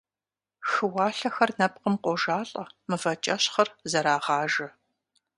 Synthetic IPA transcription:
xɨwɑːɬɐxɐrnɐp̚qəmqʷɔʒaːɬʼɐmɨfɐt͡ʃʼɐɕχɐrzɐɾaːʁɑːʒɐ

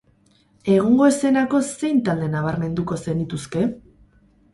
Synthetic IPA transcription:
e̞ɣ̞oŋɡo̞ese̞nako̞se̞jnt̪ald̪e̞naβ̞aɾme̞nd̪uko̞se̞nit̪uske̞

